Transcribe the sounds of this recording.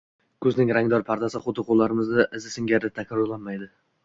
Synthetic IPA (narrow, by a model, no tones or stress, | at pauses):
kʰɵznɪŋɾaŋd̪ɒɾpʰaɾd̪asɪχʊt̪ɪqʰolˠːaɾɪmɪznaʔɪzɪsɪŋɡʲaɾd̪ɪt̪ʰakʰʲaɾɔɾlˠanmajd̪ɪ